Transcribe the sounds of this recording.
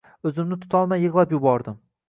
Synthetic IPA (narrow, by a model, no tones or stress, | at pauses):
ɵzɪmnɪt̪ʰʊ̥t̪ʰɒlˠmajːɨʁlˠapjʊbɒɾd̪ɪm